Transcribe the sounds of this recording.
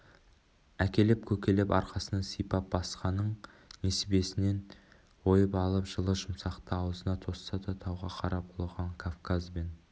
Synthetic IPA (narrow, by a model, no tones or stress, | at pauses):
ækʲe̞lɪp̚kʲʰɵkʲe̞lɪpɑ̰ɾqɑsənɑsijpɑp̚bɑsqɑnəɴ | nesbe̞sɪne̞n | wo̞jəpɑlˠəpʒəlˠəʒʊmsɑqt̪əɑwəzənɑt̪ʰo̞st̪ɑt̪ʰɑt̪ʰɑwʁɑqʰɑɾɑp̚olˠʁɑɴkʰofkazben